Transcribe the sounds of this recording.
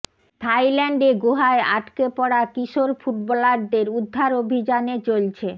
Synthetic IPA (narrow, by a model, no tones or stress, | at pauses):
t̪ʰajlɛɳɖeɡoɦaeaʈkepɔɽakiʃoɾfuʈ̚bɔlaɾd̪eɾud̪ʱːaɾobʱid͡ʑanet͡ɕolt͡ɕʰe